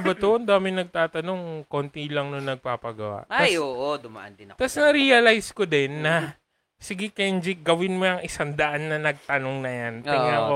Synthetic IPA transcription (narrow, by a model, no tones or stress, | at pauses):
bɐt̪oʔɐnd̪aːmɪnɐɡ̚t̪aːt̪ɐno̞ŋko̞nt̪ilɐŋnonːɐɡ̚paːpɐɡɐ̰wa̰ʔtaajoːʔod̪ʊmɐʔɐ̰nd̪ɪnt̪ɐsnɐɾiːɐlajskod̪ɛnːɐ | sɪɡɛkɛnd͡ʒɪɡɐwɪnmoɐŋɪsand̪ɐʔanːɐnɐɡ̚t̪ɐnoŋnɐjantɪɡnaʔo